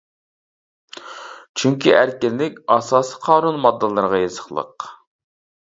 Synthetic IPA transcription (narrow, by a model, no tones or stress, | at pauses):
t͡ʃʰyŋkʲʰiʔæɾkʲɪlːɪkʲɑsɑːsi̥qʰɑːnunmɑd̪ːɨlˠɨɾʁɑjezəχlˠə̰q